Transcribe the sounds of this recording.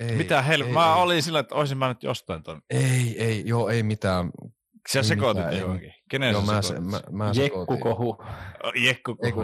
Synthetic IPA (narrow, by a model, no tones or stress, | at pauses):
emit̪æhelmæolisilːæet̪ːoˑeisimmænyt̪jo̰st̪ɑˑint̪oˑmeieijoːeimit̪æːˑn | siæsekoˑt̪juɑŋkikeneˑnseseæsm̰mæjekːukohṵjekːuko